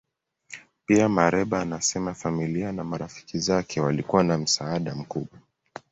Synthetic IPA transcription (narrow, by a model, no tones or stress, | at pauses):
piamaɾɛɓaːnasɛmafamilianamaɾafi̥kizakʰɛwalikuwanam̩saaɗam̩kuɓwa